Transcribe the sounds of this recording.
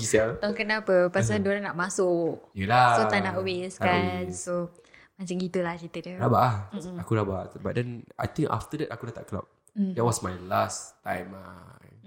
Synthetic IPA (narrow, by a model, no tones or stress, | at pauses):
isat̪ɔŋkənapəpas̬andoɾanaʔmasʊʔjəlasoanaʔweskansomat͡ʃaŋɡit̪ulahkit̪ədəɾabaʔah̩akuɾababa̰t̚dɛna̰jt̪ĩŋka̰ft̪ədɛt̚akudat̪aʔkla̰p̩̚ | dɛt̚wɔsmajlast̪ãjma